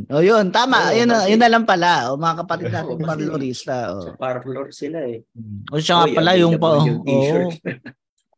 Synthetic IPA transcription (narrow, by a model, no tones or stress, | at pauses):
ʔoːjont̪aːmɐʔjʊnjʊnːɐlampɐlaomɐŋakɐpɐt̪ɪd̪̚naːtɪŋpɐɾloɾist̪ɐʔo̰paɾloɾsɪlaɛʔoʃaŋapɐlajʊŋpɐʔoːʔ